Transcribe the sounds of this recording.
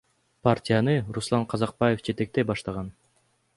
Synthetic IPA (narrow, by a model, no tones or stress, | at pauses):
partʲijanɯɾuslˠɑɴqʰɑzɑq̚pajefd͡ʒe̞t̪e̞k̚t̪e̞bɑʃt̪ɑʁɑn